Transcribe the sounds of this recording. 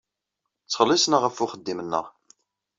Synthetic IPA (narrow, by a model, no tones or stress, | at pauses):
t͡sːəχəlːisnəʁəfʊχəd̪ːimənːə̰ʁ